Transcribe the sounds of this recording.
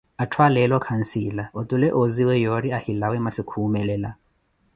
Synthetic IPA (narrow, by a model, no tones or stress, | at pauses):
atʰwalɛlɔkʰan̩silaʔɔtʼulɛʔoziwɛjɔɾiahilawɛmasikʰuːmɛlɛla